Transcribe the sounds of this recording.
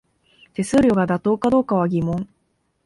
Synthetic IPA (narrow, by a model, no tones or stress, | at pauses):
t̪e̞sɨːɾʲo̞ɡad̪at̪o̞ːkad̪o̞ːkaβ̞aɡʲimõ̞ŋ